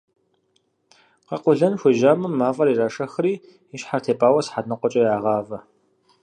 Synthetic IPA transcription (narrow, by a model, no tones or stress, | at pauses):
qɐqʷʊɮɐnxʷʊʒaːmɨmːaːfʼɐɾiːraːʂɐxriː | ɪɕħartʰeːpʼaːwɐsħadnɨqʷʼɔt͡ʃʼɐjaːʁɑːvɐ